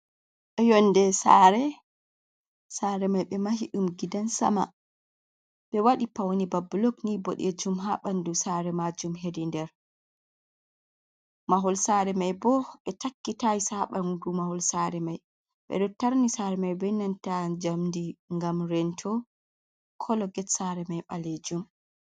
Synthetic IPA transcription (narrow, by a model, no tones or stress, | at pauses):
ʔɛjɔndɛsaɾɛ | saːɾɛmajɓɛmaɦiɗumɡidansa̰ma̰ | ɓɛwaɗipawnibabulɔknibɔ̰ɗɛd͡ʒumɦaɓandusaɾɛmad͡ʒumɦedindɛɾ | maɦɔlsaɾɛmajbɔɓɛtakːitajsaɓandumahɔlsaːɾɛmaj | ɓɛ̰ɗɔtaɾnisaːɾɛmajbɛnːantad͡ʒamndiŋɡamɾɛntʰɔ | kʰɔlɔɡɛtsaɾɛmajɓaled͡ʒum